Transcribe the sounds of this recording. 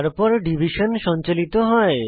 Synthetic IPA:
ɾpɔɾɖibʱiʃonʃɔnt͡ɕolit̪oɦɔe

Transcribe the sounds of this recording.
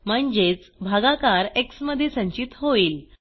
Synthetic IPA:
m̤əɳd͡ʑet͡sbʱaɡakaɾeksməd̪ʱːjesə̃ɲt͡ɕit̪ɦoiːl

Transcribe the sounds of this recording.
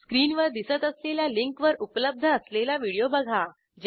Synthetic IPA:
skɾiːnʋəɾd̪isət̪əsleljaliŋkʋəɾupələb̚d̪ʱəːslelaʋiɽijobəɡʱa | d͡ʑ

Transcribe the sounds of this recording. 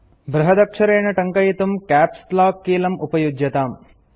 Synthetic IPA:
bɾɐɦɐd̪ɐkʂɐɾeːɳɐʈɐŋkɐjit̪umkaːpslaːkːiːlɐmʔupɐjudjɐt̪aːm

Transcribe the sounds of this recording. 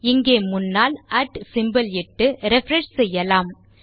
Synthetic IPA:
ɪŋɡeːmʊnːaːlɐːʈsɪmbɐlɪʈːɯɾɛfɾɛʂsɛjːɐlaːm

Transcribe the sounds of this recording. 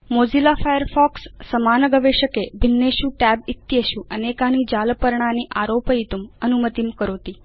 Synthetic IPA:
mod͡ʒilafajəɾfɔksːəmanəɡəʋeʃəkebʱinːeʃũʈɛbit̪jeʃũʔənekanid͡ʒaləpəɾɳaniʔaɾopəit̪umənumət̪imkəɾot̪i

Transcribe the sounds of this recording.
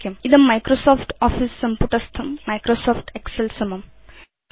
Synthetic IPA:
kjɐmid̪ɐmːajkɾosoːpʰʈɔːfʰisːɐmpuʈɐst̪ʰɐmːajkɾosɔːpʰʈekselsɐmɐm

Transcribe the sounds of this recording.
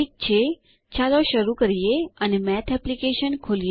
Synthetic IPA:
ik̚t͡ʃʰe | t͡ʃaloʃəɾukəɾijeənemɛt̪ʰɛplikeʃənkʰoli

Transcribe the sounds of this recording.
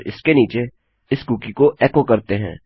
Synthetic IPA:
ɾɪ̰skeniːt͡ʃe | ɪskuːkikoʔeːkokɐɾt̪eɦɛ̰̃ː

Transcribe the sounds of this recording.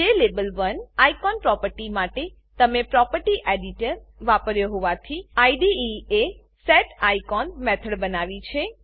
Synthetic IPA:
d͡ʒelebəlʋənajkɔnpɾɔpəɾʈimaʈe | t̪əmepɾɔpəɾʈiʔeɖiʈəɾʋapəɾjoɦoʋat̪ʰiajɖiie | sɛʈajkɔnmɛt̪ʰəɽbənaʋit͡ʃʰe

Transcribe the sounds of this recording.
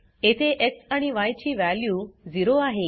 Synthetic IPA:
et̪ʰeʔeksaɽ̃iʋajt͡ɕiːʋæljuːd͡ziɾoaɦe

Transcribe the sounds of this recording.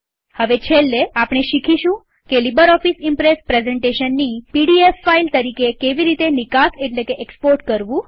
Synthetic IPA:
həʋet͡ʃʰelːeapɽ̃eʃikʰiʃũ | kelibəɾɔfisimpɾespɾezeɳʈeʃənːipiɽiefːailt̪əɾikekeʋiɾit̪enikaseʈlekeʔekspoɾʈkəɾʋũ

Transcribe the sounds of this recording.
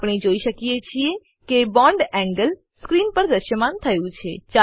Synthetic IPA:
pɳ̃id͡ʒoiʃəkijet͡ʃʰie | kebɔ̃ɳɖɛ̃ŋɡəl | skɾinpəɾd̪əʃəmant̪ʰəjũt͡ʃʰet͡ʃa

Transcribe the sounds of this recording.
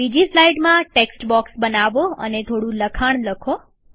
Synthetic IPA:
id͡ʒislaiɖmãʈeksʈbɔksbənaʋoə̰net̪ʰoɽũləkʰaɳ̃ləkʰo

